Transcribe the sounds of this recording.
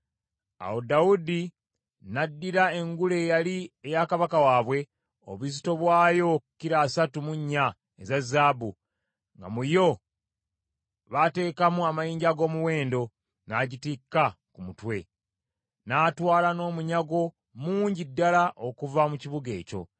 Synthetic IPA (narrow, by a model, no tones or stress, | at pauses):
a̰wo̞dawudi | nadːiɾae̞ŋɡuleːjaliejakaβakawaːβwe̞ | o̰βuzito̞βwaːjo̞kuciɾaːsatumuɲːa | ezazːaːbu | ŋɡa̰mujo̞ | βate̞ːkamuamajiːɲɟaɡo̞ːmuwe̞ːndo̞ | naːɟitikːa | kumutwe̞ | naːtwaːlano̞ːmuɲaɡo̞ | muːɲɟidːalaʔokuvamuciβuɡe̞̰ːco̞̰